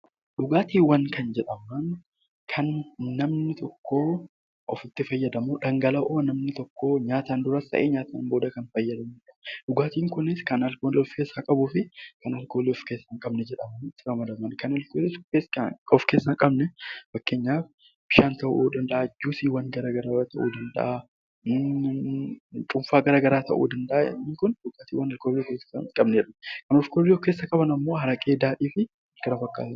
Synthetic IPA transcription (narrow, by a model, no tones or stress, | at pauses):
ᶑʊɡaːt̪iːwːɐnkɐnd͡ʒɛᶑɐmɐn | kʰɐnːɐmnɪt̪ʰɔkːoː | ʔɔfɪt̪ːɪfɐjːɐd̪ɐmuːᶑɐŋɡɐlɐʔoːnɐmnɪt̪ɔkːoːɲaːt̪aːnd̪ʊɾɐst̪ɐ̰ʔeːɲaːt̪aːnbo̞ːd̪ɐkɐnfɐjːɐd̪ɐmuᶑɐᶑʊɡaːt̪iːŋkʊnɪskɐnɐlkoːlɛɔfkeːsːaːkʼɐbʊːfɪkɐnɐlko̞ːlɪɔfkeːsːɐŋkʼɐbnɛd͡ʒɛᶑɐmɐnɪt̪ːɪɾɐmɐd̪ɐmɐnkɐnɐlkoːlɪsesɐɔfke̞ːsːɐŋkʼɐbnɛfɐkːeːɲːaːf | b̥ɪʃaːnt̪ɐʔuːd̪ɐnd̪ɐʔaːɪd͡ʒːuːsiːwɐnɡɐɾaːɡɐɾaːrɐt̪ʰɐʔṵːd̪ɐnd̪ɐ̰ʔa | t̪ʼʊmfaːɡɐɾaːɡɐɾaːt̪ɐ̰ʔṵːd̪ɐnd̪ɐʔa̰ɛ̰nːiːŋkʊnbʊkʼːaːt̪iːwɐnɐlkoblikeɐkʼɐbnerɐkɐnɔfkobɪlːɔfke̞ːsːɐkʼɐbɐnɐmːo̞ːhɐɾɐkʼe̞ːd̪aːᶑiːfɪ | ɡ̥ɐɾɐfɐkːa̰ːt̪ː